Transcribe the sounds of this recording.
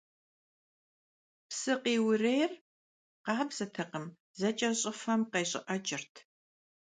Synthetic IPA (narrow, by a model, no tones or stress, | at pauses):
psɨqiːwʊrejr | qɑːbzɐtʰɨqəm | zɐt͡ʃʼɐɕʼɪfɐmqɐjɕʼɪ̰ʔɐt͡ʃʼɪrtʰ